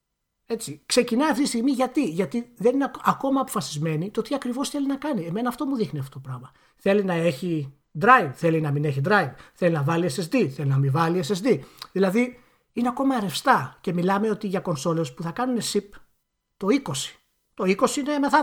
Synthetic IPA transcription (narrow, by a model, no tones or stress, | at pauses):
e̞t͡sikse̞cinɐɐft̪it̪ist̪iɣmiʝɐt̪iʝɐt̪iðe̞nineɐko̞mɐːpo̞fɐsizme̞nit̪ot̪iɐkɾivo̞sθe̞linɐkɐnieme̞nɐːft̪o̞muðixniɐft̪oot̪opɾɐɣmɐ | θe̞linɐe̞çi | d̪ɾɐjvθe̞linɐmine̞çid̪ɾɐjvθe̞linɐvɐliesesd̪iθelinɐmivɐliesesd̪iðilɐði | ine̞ɐko̞mɐeɾe̞fst̪ɐce̞milɐmeo̞t̪iʝɐko̞nso̞le̞spuθɐkɐnune̞sip | t̪o̞iko̞si̥ | t̪o̞iko̞siineme̞θɐ